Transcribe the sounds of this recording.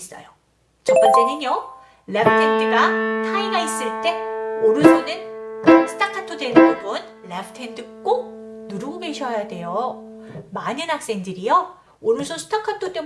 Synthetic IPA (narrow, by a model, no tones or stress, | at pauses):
s͈ʌ̰jo | t͡ɕʌp͈ʌnt͡ɕ͈enɯnjo | ɭepʰɯtʰendɯɡatʰaiɡais͈ɯɭt͈e̞oɾusʰonɯnsʰɯ̥tʰakʰatʰodwenpubun | lepʰɯ̥tʰe̞ndɯk͈onuɾuɡoɡeɕʰʌjade̞jo | manɯnɦhak̚s͈e̞ŋdɯɾijo | oɾusʰosʰu̥tʰakʰatʰot͈e